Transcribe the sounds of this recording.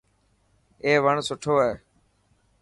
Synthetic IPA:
eːʋəɳsʊʈʰoːeː

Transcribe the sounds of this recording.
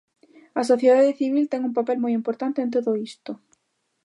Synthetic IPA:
ɐsoθjeðaðeθiβ̞ilt̪ɛŋumpapɛlmojimpoɾt̪ant̪eẽnt̪oðoist̪o

